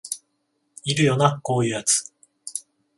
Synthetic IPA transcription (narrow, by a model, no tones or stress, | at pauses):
iɾɯ̟jo̞nako̞ːjɯ̟ːjat͡sɨ̥